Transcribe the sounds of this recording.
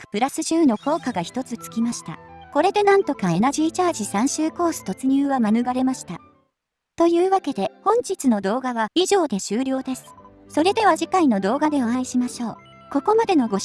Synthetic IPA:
kɯ̟̥pɯ̟ɾasɨʑɨːno̞ko̞ːkaɡaçi̥t̪o̞t͡sɨt͡sɨ̥kʲimaɕi̥t̪a̰ko̞ɾe̞d̪e̞nãnt̪o̞kae̞naʑiːt͡ɕaːʑisãɰ̃ɕɨːko̞ːsɨ̥t̪o̞t͡sɨɲ̟ɨːβamanɯ̟ɡaɾe̞maɕi̥t̪a | t̪o̞jɯ̟ːβake̞d̪e̞hõ̞ɲ̟d͡ʑit͡sɨno̞d̪o̞ːɡaβaiʑo̞ːd̪e̞ɕɨːɾʲjo̞ːd̪e̞sɨ̥ | so̞ɾe̞d̪e̞β̞aʑikaino̞d̪o̞ːɡad̪e̞o̞ãiɕimaɕo̞ː | ko̞ko̞mad̪e̞no̞ɡo̞

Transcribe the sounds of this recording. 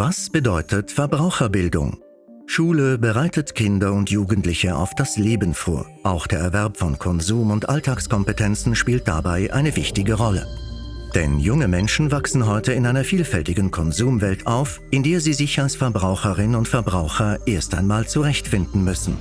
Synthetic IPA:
vasb̥ədɔʏtʰətfɛɐbʁaʊxɐbɪldʊ̰ŋ | ʃuːləbəʁaɪtətkʰɪndɐʊntʰjuːɡən̩tlɪçəa̰ʊfd̥asleːbn̩fo̰ːɐʔaʊxd̥eːɐɛɐvɛɐpfɔnkʰɔnzuːmʊntʔaltʰaːkskʰɔmpətʰɛnt͡sn̩ʃpiːlt̚d̥a̰baɪʔa̰ɪnəvɪçtɪɡəʁɔlə̰d̥ɛ̰njʊŋəmɛnʃn̩vaksn̩ɦɔʏtəɪnʔaɪnɐfiːlfɛltɪɡən̩kʰɔnzuːmvɛltʰaʊf | ʔɪndeːɐziːzɪçalsfɛɐbʁaʊxəʁɪnnʊntfɛɐbʁaʊxɐʔeːɐstaɪnmaːlt͡suʁɛçtfɪndn̩mʏsn̩

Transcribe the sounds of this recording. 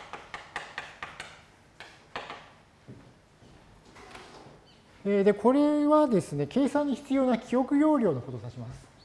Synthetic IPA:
ed̪e̞kʰo̞ɾe̞βad̪e̞sɨne̞ke̞ːsãɲ̟ːiçi̥t͡sɨjo̞ːnakʲʰijo̞kɯ̟jo̞ːɾʲo̞ːno̞ko̞t̪o̞saɕimasɨ̥

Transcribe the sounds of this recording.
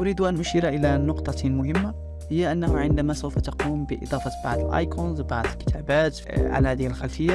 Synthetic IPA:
ʔʊɾiːd̪ʔanʔʊʃiːɾaʔɪlanʊqt̪ˤɑmʊhɪmːa | hɪjːaʔanːahʊʕɪnd̪amasawfat̪aquːmbɪʔɨ̰d̪ˤɑːfɑba̰ʕd̪ɪlʔa̰ːjkuːnzwbaʕd̪ɪlkɪ̥t̪ʰaːbaːt̪ | ʕa̰lahaːðɪhɪlxalfɪjːa

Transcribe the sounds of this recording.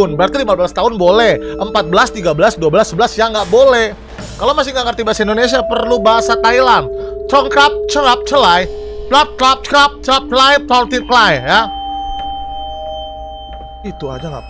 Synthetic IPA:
ʊnbəɾart̪ilimabəlast̪aɦʊnbolɛhʔəmpat̪̚bəlast̪iɡabəlasduabəlasəbəlasjaŋɡaʔbolɛh | kalowmasɪŋɡaŋərt̪ibaasaindonesiapərlubaɦasat̪ailant̪ɾɔŋkɾap̚t͡ʃəɾap̚t͡ʃəlaj | t̪lap̚t͡ʃɾap̚t͡ʃəɾap̚t͡ʃəɾap̚t͡ʃəlajt̪ɔlt̪iklajja | it̪ua̰d͡ʒaŋa̰

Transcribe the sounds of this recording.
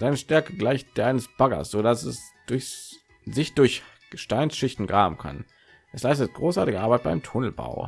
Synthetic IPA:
z̥aɪnəʃtɛɐkəɡlaɪçt̚d̥eːɐʔaɪnəsb̥aɡɐ̰sz̥odasɛ̰sd̥ʊɐç | zɪçd̥ʊɐç | ɡ̥əʃtaɪnsʃɪçtn̩ɡʁaːbm̩kʰa̰n | ʔɛslaɪs̬tət̚ɡ̥ʁoːsʔaɐtɪɡəʔaɐbaɪt̚b̥aɪmtʰʊnl̩ba̰ʊ

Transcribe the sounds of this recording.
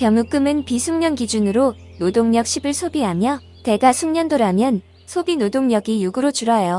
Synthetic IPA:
kjʌŋuk͈ɯmɯnpisʰuŋɲʌnɡid͡ʑunɯɾo | nodoŋɲʌk̚ɕ͈ʰibɯɭsʰobiɦamjʌ | te̞ɡasʰuŋɲʌndoɾamjʌn | sʰobinodoŋɲʌɡijuɡɯɾot͡ɕuɾʌjo

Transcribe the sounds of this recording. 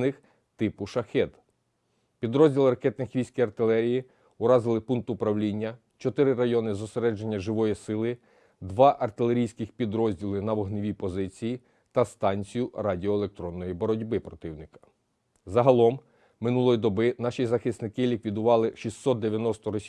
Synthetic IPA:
nɪx | t̪ɪpʊʃɐxɛd̪ | pʲid̪ɾɔzʲdʲilˠɪɾɐkɛt̪nɪxʋʲijsʲkijɐrt̪ɪlˠɛɾʲiji | ʊɾɑzɪlˠɪpunk̚t̪ʊpɾɐwlʲinʲːɐ | t͡ʃɔt̪ɪɾɪɾɐjɔnɪzɔseɾɛd͡ʒenʲːɐʒɪʋɔjisɪlˠɪ | d̪ʋɑʔɐrt̪ɪlˠe̞ɾʲijsʲkɪxpʲid̪ɾɔzʲdʲilˠɪnɐʋɔɦnɪʋʲipɔzɪt͡sʲiji | t̪ɐst̪ɑnʲt͡sʲijʊɾɑdʲiɔelˠek̚t̪ɾɔnːɔjibɔɾɔdʲbɪpɾɔt̪ɪwnɪkɐ̥ | zɐɦɐlˠɔm | mɪnulˠɔjid̪ɔbɪnɑʃizɐxɪsnɪkɪlʲikʋʲid̪ʊʋɑlˠɪʃisːɔt̪̚d̪eʋʲjɐnɔst̪ɔɾɔsʲ

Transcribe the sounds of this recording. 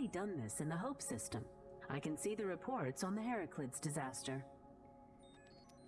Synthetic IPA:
idʌ̃nðɪsɨ̃nðəɦoʊpsɪstɨ̃maɪkɨ̃nsiðɨɹɨpʰɔɹtsn̩ðɨɦɛɹɨkʰlɪdz̥dɨzæstə˞

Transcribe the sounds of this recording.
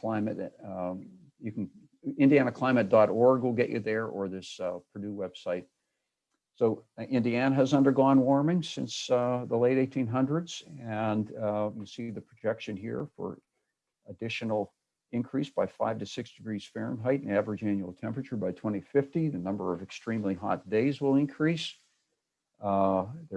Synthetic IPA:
kʰl̥ãɪ̃mɨ̰t | jɨkn̩ | ɪ̃ndiænɨkʰl̥ãɪ̃mɨt̚d̥ɑɾɔɹɡwɪlˠɡɛt͡ʃɨ̰ðə˞ə˞ðɪspʰɹ̥ɨdʉwɛb̥saɪt̚ | soʊɪ̃ndiænəɨzʌ̃ndə˞ɡɔ̃nwɔɹmɪ̃ŋsɪ̰̃nsðəleɪɾeɪtʰĩnɦʌ̃ndɹɨdz̥ɨ̃njɨsiðɨpʰɹ̥ɨd͡ʒɛkʃɨ̃nɦḭɹfə̰˞ | ədɪʃɨn̩l̩ˠ | ɨ̃nkʰɹ̥isb̥aɪfa̰ɪv̥tɨsɪksd̥ɨɡɹiz̥fɛɹɨ̰̃nɦaɪɾ̃n̩ævɹɨd͡ʒæ̃njʉl̩ˠtʰɛ̃mpɹɨt͡ʃə˞baɪtʰw̥ɛ̃ɾ̃ifɪftiðɨnʌ̃mbə˞ʌvɨkstɹ̥ĩmliɦɑ̰t̚d̥eɪzwəlˠɨ̃nkʰɹ̥is | ðə

